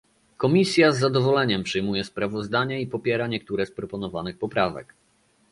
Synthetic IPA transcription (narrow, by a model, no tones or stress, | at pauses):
kɔmʲisʲjazːad̪ɔvɔlɛɲɛmpʂɘjmujɛspɾavɔzd̪aɲɛipɔpʲjɛɾaɲɛk̚t̪uɾɛspɾɔpɔnɔvanɘxpɔpɾavɛ̰k